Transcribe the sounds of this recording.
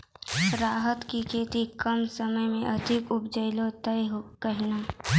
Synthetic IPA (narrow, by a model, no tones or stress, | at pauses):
sɾaːɦət̪kikʰeːt̪ikəmsəməjmẽʔɐd̪ʱɪkʊbd͡ʒəɪlõt̪ɐjɦkəɦɪnaː